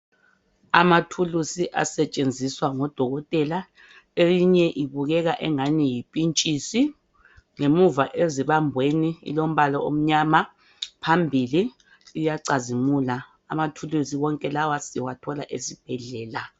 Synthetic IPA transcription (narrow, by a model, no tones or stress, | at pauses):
amatʰulusiʔa̰sɛt͡ʃʼend͡zʱiswaŋɔd̥ʱɔɣɔtʼɛla | eliɲɛʔiβuɣɛɣaʔɛŋanijipʼint͡ʃʼisi | ŋemuvaʔeziβambʱweniḭlom̩βalɔo̰m̩ɲama | pʰambʱiliː | jaǀazimulaː | matʰulusiwɔŋkʼɛlawasiwatʰɔlaʔesib̥ʱɛɮɛːla